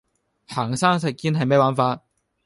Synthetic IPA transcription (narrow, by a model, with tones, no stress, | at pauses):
haː˨˩ŋsaː˥ŋsɛ˨˩kːiː˥nɦɐ˨jme˨˥jwaː˨˥nfaː˧t̚